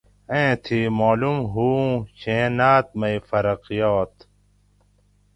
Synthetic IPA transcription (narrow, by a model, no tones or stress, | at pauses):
ẽːt̪ʰiːmoːlumɦuːɕẽːnaːt̪̚mɐifɐɾɐqijoːt̪